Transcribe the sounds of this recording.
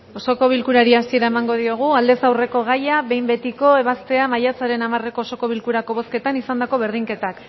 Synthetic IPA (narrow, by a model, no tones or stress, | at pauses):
o̞so̞ko̞β̞ilkuɾaɾiasieɾae̞maŋɡo̞ð̞ioɣ̞uald̪e̞sawre̞ko̞ɣ̞ajaβe̞jmbe̞t̪iko̞e̞β̞ast̪e̞amajat͡saɾe̞namare̞koːso̞ko̞β̞ilkuɾako̞β̞o̞ske̞t̪anisand̪ako̞βe̞ɾð̞iŋke̞t̪ak